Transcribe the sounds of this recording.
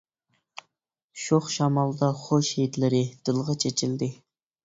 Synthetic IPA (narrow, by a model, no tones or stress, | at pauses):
ʃoχʃɑmɑlˠd̪ɑχoʃhejd̪lɪɾɪd̪̥ɨlˠʁɑt͡ʃʰet͡ʃʰild̪ɪ